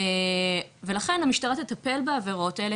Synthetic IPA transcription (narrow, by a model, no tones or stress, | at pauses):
eve̞laχe̞namiʃtaʁat̪et̪ape̞lbaːve̞ʁo̞taele